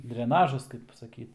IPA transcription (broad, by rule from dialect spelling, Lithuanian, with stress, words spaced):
dʲrʲɛˈnɑːʒɐs kɐɪp sɐˈkʲiːt